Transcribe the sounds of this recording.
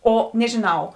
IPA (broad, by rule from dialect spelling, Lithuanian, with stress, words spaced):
ˈoː nʲɛʒʲɪˈnɐʊ